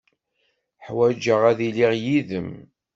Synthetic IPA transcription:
ħwæd͡ʒəʁæðiliʁjiðəm

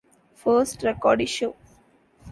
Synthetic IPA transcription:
fəːɾsʈɾɛkɔːɖiʃoː

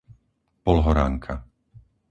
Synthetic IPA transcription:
pɔlɦɔɾa̰ːŋkʰa

